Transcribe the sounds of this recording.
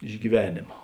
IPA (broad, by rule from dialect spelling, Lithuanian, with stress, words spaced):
ɪʃ ɡʲiːˈʋʲæːnʲeːmɐ